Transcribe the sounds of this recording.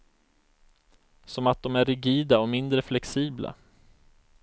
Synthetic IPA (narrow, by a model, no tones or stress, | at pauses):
sɔmat̪̚d̪ɔmæɾɪɡiːd̪aɔmɪnd̪ɾəflɛksiːbla̰